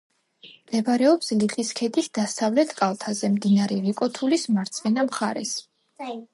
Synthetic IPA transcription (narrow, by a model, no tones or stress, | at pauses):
md̪ɛbaɾɛɔpsliχiskʰɛd̪ʰisd̪asavlɛt̪ʰkʼalˠt̪ʰazɛmd̪inaɾɛɾikʼɔt̪ʰulismaɾt̪sʰʼχɛnamχaɾɛs